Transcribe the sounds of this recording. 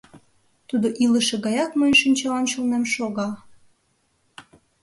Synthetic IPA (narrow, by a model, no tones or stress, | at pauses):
t̪ud̪oʔiləʃeɣɑjɑkməjənʃinʲt͡ɕɑɑnt͡ɕulnemʃoɣɑ